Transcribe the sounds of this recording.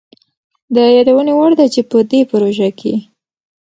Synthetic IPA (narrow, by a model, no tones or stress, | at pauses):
d̪əjɑd̪awənewaɽd̪at͡ʃepəd̪epəɾoʒakʰe